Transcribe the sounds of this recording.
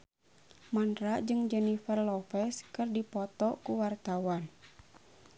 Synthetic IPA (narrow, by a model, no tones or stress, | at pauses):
mandɾaʔd͡ʒɨŋd͡ʒɛnifɛrlɔfɛskɨrdipɔt̪ɔkuwart̪awan